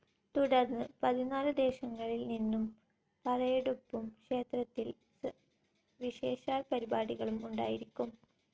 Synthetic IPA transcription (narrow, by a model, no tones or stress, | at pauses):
t̪uɽɐrnːɨpɐðinaːlɨd̪e̞ːɕɐŋːɐɭilninːum | pɐlɐjeɽupːumkʂe̞ːt̪rɐt̪ːil | ʋiɕeːɕaːlpɐɾibaːɽiɣɐɭumuɳɖa̰ːjiɾikʲːum